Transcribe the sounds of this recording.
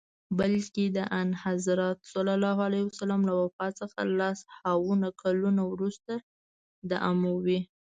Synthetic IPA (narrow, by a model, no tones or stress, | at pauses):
bəlked̪əʔanhazɾɑt̪sɑlalɑɦalajwasalɑmlawafɑt͡səxa̰lɑshawunakʰalunawɾust̪a | d̪aʔamawi